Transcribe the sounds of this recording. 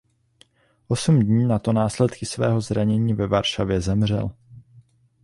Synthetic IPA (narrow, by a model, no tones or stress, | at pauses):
ʔo̞sumdɲiːnat̪o̞naːslɛt̪kɪsvɛːɦo̞zɾaɲɛɲiːvɛvaɾʃavjɛzɛmr̝ɛ̰l